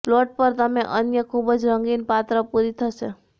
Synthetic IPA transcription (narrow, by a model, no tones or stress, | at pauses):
ploʈ̚pəɾt̪əmẽʔənjəkʰubəd͡ʒɾəŋɡinpat̪ɾəpuɾit̪ʰəʃe